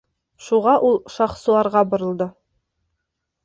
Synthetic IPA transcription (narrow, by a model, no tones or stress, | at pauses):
ʃuʁɑʔulˠʃɑχsɤ̆lˠɑɾʁɑbŏɾɤ̆lˠd̪ɤ